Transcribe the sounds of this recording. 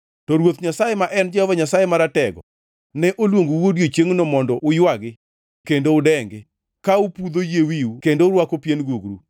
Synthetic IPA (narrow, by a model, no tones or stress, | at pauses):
tɔɾwot̪ɲasajemaʔɛnd͡ʒɛhɔvaɲasajemaɾatɛɡɔ̰ | nɛʔolwoŋɡuwodjot͡ʃeŋnɔmɔndɔʔʊjwaɡɪ | kendoʊdɛŋɡɪ | kaupud̪ojewiukendoʊɾwakopjenɡuɡɾu